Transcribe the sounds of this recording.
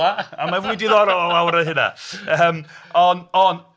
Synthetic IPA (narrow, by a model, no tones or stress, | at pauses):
aamavʊɨdɪðɔɾɔlˠɔlˠawɾəɦɪna̰əːmɔnɔn